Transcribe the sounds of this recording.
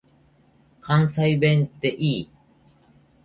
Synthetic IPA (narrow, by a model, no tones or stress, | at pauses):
kansajbent̪eʔiː